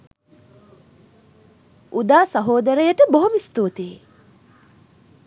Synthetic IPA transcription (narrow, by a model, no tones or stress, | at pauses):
ud̪aːsɐɦoːd̪ɐɾəjəʈəboɦomist̪oːt̪e